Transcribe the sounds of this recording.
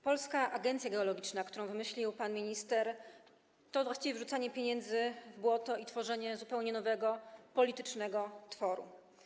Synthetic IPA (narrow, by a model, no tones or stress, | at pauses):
pɔlskaʔaɡɛnt̪sʲjaɡɛɔlɔɡʲit͡ʂnakt̪uɾɔ̃w̃vɘmɘɕlʲiwpanmʲiɲist̪ɛɾ | t̪ɔvwaɕt͡ɕivʲjɛvʐut̪saɲɛpʲjeɲɛnd̪zɘvbwɔt̪ɔit̪fɔʐɛɲɛzupɛwɲɛnɔvɛɡɔpɔlʲit̪ɘt͡ʂnɛɡɔt̪fɔɾṵ